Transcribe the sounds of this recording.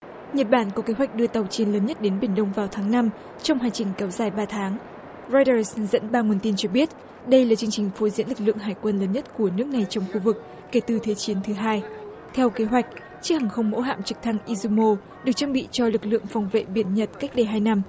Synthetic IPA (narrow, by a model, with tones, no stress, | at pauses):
ɲə˨˩t̚ɓaː˧˩nku˧˩ke˨˦ɦwa˨˩jk̟̚ɗɨ˧ət̪ə˨˩wt͡ɕi˨˦ənləː˨˦nɲə˦˥t̚ɗe˨˦nɓi˧˩ənɗə˧wŋ͡mvaː˨˩wt̪ʰaː˨˦ŋna˧m | t͡ɕɔ˧wŋ͡mɦaː˨˩ŋt͡ɕï˨˩ŋ̟kɛ˨˦wzaː˨˩jɓaː˧t̪ʰaː˨˦ŋ | zɔ˧jtəː˧˩szə̰˧˥nɓaː˧mu˧˩ənt̪i˧nt͡ɕɔ˧ɓi˦˥ət̚ | ɗə˧jlaː˨˩t͡ɕɨ˧əŋt͡ɕï˨˩ŋ̟fo˨˦zḭ˧˥nlɨ˨˩k̚lɨ̰˧˨əŋɦaː˨˩jkwə˧nləː˨˦nɲə˦˥t̚ku˧˩ənɨ˦˥ək̚na˨˩jt͡ɕɔ˧wŋ͡mxu˧vɨ˨˩kː | e˧˩t̪ɨ˨˩t̪ʰe˨˦t͡ɕi˨˦ənt̪ʰɨ˨˦ɦaː˧j | t̪ʰɛ˧wke˨˦ɦwa˨˩jk̟̚ | t͡ɕi˦˥k̚haː˨˩ŋxə˧wŋ͡mmːo̰˧˥ɦa̰ː˧˨mt͡ɕɨ˨˩k̚t̪ʰa˧ŋʔi˧zu˧mo˧ | ɗɨ˨˩ək̚t͡ɕaː˧ŋɓḭ˧˨t͡ɕɔ˧lɨ˨˩k̚lɨ̰˧˨əŋfɔ˨˩wŋ͡mvḛ˧˨ɓi˧˩ənɲə˨˩t̚ka˦˥k̚ɗe˧˩ɦaː˧jna˧m